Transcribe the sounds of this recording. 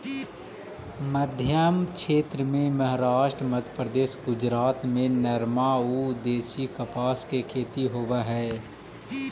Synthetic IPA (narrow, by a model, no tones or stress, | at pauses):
məd̪ʱjəmkʰʃeːt̪ɾəmẽməɦɾaːʃʈɾəməd̪ʱjəpɾəd̪eːʃɡʊd͡ʒɾaːt̪mẽnɐɾmaud̪eːsikəpaːskekʰeːt̪iɦoːʋaɦɛː